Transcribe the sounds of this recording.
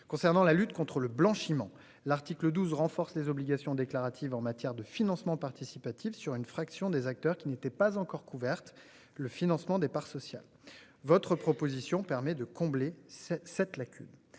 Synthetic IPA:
kɔ̃sɛʁnɑ̃lalyt̪kɔ̃t̪χələblɑ̃ʃimɑ̃ | laʁt̪ikləd̪uzʁɑ̃fɔʁslezɔbliɡasjɔ̃d̪eklaʁat̪ʰivɑ̃mat̪jɛʁd̪əfinɑ̃smɑ̃paʁt̪isipat̪ʰifsyʁynfχaksjɔ̃d̪ezak̚t̪œʁkʲinet̪ɛpazɑ̃kɔʁkuvɛʁt̪ | ləfinɑ̃smɑ̃d̪epaʁsɔsja̰l | vɔt̪χəpχɔpozisjɔ̃pɛʁmɛd̪əkɔ̃blesɛt̪lakʲʰy̰n

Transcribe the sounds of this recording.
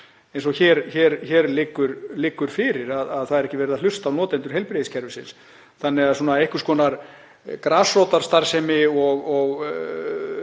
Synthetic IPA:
ɛjns̬ɔçɛːɾçɛːɾçɛɾlɪːkːʏɾlɪːkːʏɾ̥fɪːɾɪɾaðaðθaðɛɾɛhcːɪvɛɾɪðal̥ʏst̪awnɔːt̪ɛnt̪ʏɾ̥hejlpɾeðɪscʰɛɾvɪsɪns | θanːɪɣaðsuːnaejhkʏ̥ɾ̥skʰɔːnaɾ | kɾaːsrowt̪aɾ̥st̪aɾ̥sɛmɪɔɣɔɣ

